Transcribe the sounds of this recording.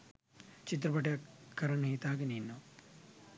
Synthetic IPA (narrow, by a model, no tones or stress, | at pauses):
t͡ʃit̪̬ɾɐpɐʈjakɐɾɐɳɦit̪aːkɐniːnːo